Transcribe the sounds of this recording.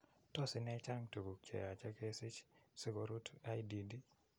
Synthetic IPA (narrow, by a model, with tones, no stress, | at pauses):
tɔ˦sɪ˦nɛ˦t͡ʃa˦ŋtu˨ɡu˨k̚t͡ʃɛ̰˨ja˨t͡ʃa˦ke˦sɪ˦t͡ʃsɪ˦ɡo˦ɾu˦ta˦jdi˨di˦